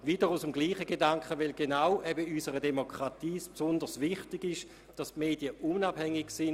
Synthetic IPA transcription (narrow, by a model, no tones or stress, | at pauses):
vid̥əʁusəmɡliːχəɡedaŋkχəʋɛlɡenaʊʔɛbəysəʁədemokʁatiːspsʊndəʁsvɪχtɪɡɪʃ | d̥ɑstmeːd̥iəunab̥hɛŋːɪɡsɪn